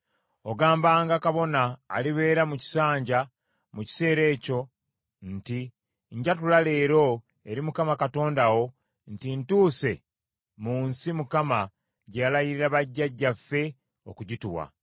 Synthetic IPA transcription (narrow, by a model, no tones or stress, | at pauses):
o̞ɡaːmbaːŋɡakaβo̞na̰ːliβe̞ːɾamuci̥saːɲɟa | muci̥se̞ːɾe̞ːco̞ | nti | ɲɟatulale̞ːɾo̞ | e̞ɾimukamakato̞ːndawo̞ | ntintuːse̞ | muːnsimukama | ɟealajiɾiɾaβaɟːaɟːafːe̞ | okuɟituwa̰